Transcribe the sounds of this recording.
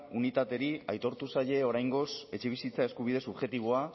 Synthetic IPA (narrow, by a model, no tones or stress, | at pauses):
unit̪at̪e̞ɾiajt̪o̞ɾt̪usaje̞o̞ɾajŋɡo̞se̞t͡ʃe̞β̞isit͡saeskuβ̞ið̞e̞subʝe̞t̪iβ̞oa